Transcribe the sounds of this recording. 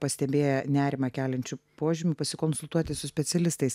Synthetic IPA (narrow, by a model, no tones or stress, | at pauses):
pɐsʲt̪ʲɛbʲeːjɛnʲæːɾʲɪmɐkʲæːlʲɛnʲt͡ʃʲʊpoːʒʲɪmʲʊpɐsʲɪkonsʊlˠt̪uɔt̪ʲɪsʊsʲpʲɛtsʲɛlʲɪst̪ɐɪs